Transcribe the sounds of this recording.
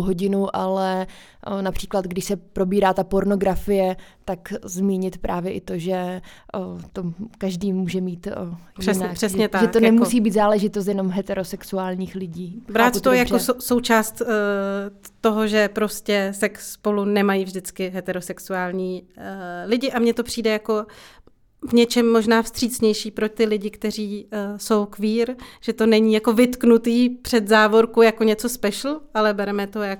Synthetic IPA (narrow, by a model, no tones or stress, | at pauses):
ɦoɟɪnuʔalɛ | napr̥iːklad̪ɡdɪʃsɛpɾo̞biːɾaːt̪apo̞ɾno̞ɡɾafɪjɛt̪akzmiːɲɪt̪pɾʔaːvjɛʔɪt̪o̞ʒɛ | t̪okaʒdiːmuːʒɛmiːt̪ | jɪɛnar̥ɛsɲɛt̪aʒɛt̪onɛmusiːbiːt̪zaːlɛʒɪt̪os̬t̪jɛno̞mɦɛt̪ɛɾo̞sɛksuaːlɲiːxlɪɟiːbɾaːt̪t̪ojaɾososowt͡ʃaːst̪ | t̪o̞ɦo̞ʒɛpɾo̞scɛsɛksːpolunɛmajiːvʒdɪt͡skɪɦɛt̪ɛɾo̞sɛksuaːlɲiː | lɪɟɪʔamɲɛt̪o̞pr̥iːdɛjako̞ | vɲɛt͡ʃɛmːo̞ʒnaːfst̪r̥iːt͡sɲɛjʃiːpɾot̪ɪlɪɟɪkt̪ɛriːso̞wkviːɾʒ̥ɛt̪o̞nɛɲiːjako̞vɪt̪knut̪iːpr̥ɛd̪zaːvo̞ɾkujako̞ɲɛt͡so̞spɛʃlʔalɛbɛɾɛmɛt̪ojak